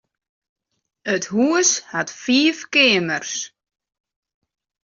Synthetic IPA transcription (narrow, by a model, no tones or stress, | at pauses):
əthuːshatfiːfkɪːmərs